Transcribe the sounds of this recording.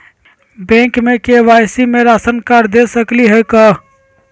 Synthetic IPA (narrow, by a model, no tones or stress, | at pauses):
bɛ̃ŋkmekeʋajsimeɾasənkaɾd̪esəkliɦeka